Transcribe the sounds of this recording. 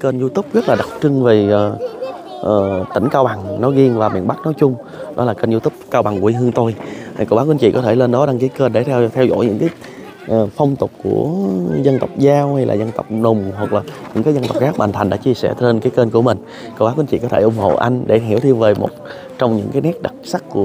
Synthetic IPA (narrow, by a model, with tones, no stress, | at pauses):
kə˧nzu˧t̪ʊ˦˥p̚ɣə˦˥t̚laː˨˩ɗa˨˩wk͡p̚t͡ɕɨ˧ŋve˨˩əː˨˩ | ʔəː˨˩t̪ï˧˩ŋ̟kaː˧wɓa˨˩ŋnɔ˨˦ɣi˧əŋvaː˨˩mḭ˧˨ənɓa˦˥k̚nɔ˨˦jt͡ɕʊ˧ŋ͡m | ɗɔ˨˦laː˨˩kəː˧nzu˧t̪ʊ˦˥p̚kaː˧wɓa˨˩ŋku˧˩˨ʔi˧ɦɨ˧əŋt̪o˧jkə˧waː˨˦˥kwnt͡ɕḭ˧˨kɔ˨˦t̪ʰe˧˩le˧nɗɔ˨˦ɗa˧ŋkaː˨˦jkəː˧nɗe˧˩t̪ʰt̪ʰɛ˧wzo̰˧˥jɲɨ̰˧˥ŋkaː˨˦j | ʔəː˨˩fə˧wŋ͡mt̪ʊ˨˩k͡p̚ku˧˩əzə˧nt̪ə˨˩wk͡p̚zaː˧wha˧jla̰ː˨˩zə˧nt̪ə˨˩wk͡p̚nʊ˨˩ŋ͡mɦwa˨˩k̚laː˨˩ɲɨ̰˧˥ŋkaː˨˦jzə˧nt̪ə˨˩w̚k͡pxaː˦˥k̚ɓa̰ː˨˩ŋt̪ʰa˨˩ŋ̟ɗa̰ː˧˦t͡ɕi˧əsɛ̰˧˩te˧nkaː˨˦jkəː˧nku˧˩əmï˨˩ŋ̟ | ko˧wɓaː˨˦kwi˧˦nt͡ɕḭ˧˨kɔ˨˦t̪ʰe˧˩ʔʊ˨˧˦ŋ͡mho̰˧˨ʔa̰˧jŋ̟ɗe˧˩ɦi˧˩əwt̪ʰi˧əŋve˨˩mo̰˨˩t̚ | t͡ɕɔ˧wŋ͡mɲɨ̰˧˥ŋkaː˨˦jnɛ˦˥t̚ɗa˨˩t̚sa˦˥kːu˧˩ə